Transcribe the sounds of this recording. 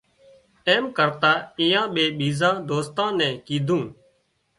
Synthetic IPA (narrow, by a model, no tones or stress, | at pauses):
eːmkəɾt̪aːɪjãːɓeːɓiːzãːd̪oːst̪ãːnɛ̃ːkiːd̪ʱũː